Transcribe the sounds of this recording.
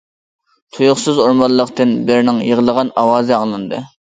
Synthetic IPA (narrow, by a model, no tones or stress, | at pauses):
t̪ʰujʊχsɨzoɾmɑlˠːəqt̪ɨnbɪɾnɪŋjəʁəlˠəʁɑnɑwɑːzɨɑŋlˠɨnd̪ɨ̰